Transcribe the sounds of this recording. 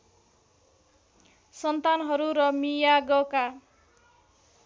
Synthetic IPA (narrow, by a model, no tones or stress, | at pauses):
sʌnt̪anɦʌɾuɾʌmijaɡʌka